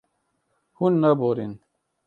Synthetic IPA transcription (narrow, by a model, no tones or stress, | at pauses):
hunːɐboɾin